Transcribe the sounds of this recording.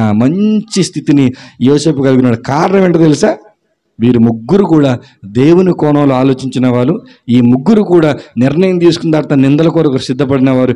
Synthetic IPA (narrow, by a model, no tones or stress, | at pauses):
amɐɲt͡ʃist̪ʰit̪inijoːse̞ːpukɐluɡunaːɽukaːɾnɐʋeːɳʈɐt̪elisaː | ʋiːɾumuɡːuɾukuːɽaː | d̪e̞ːwunikɔːnɐmloːaːlo̞ːt͡ʃiɲt͡ʃinɐʋaːɾu | iːmuɡːuɾukuːɽaːnɪɾɳɐjɐmt̪̬iːsu̥kund̪aːɾt̪ɐnind̪ɐlɐkɔːɾɐkɐɾsid̪ʱːɐpɐɽinɐʋaːɾu